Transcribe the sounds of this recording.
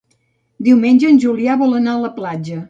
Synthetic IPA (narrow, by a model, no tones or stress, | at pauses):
d̪iwmenʲʒəːnʲʒuliaβɔlənaələplad͡ʒə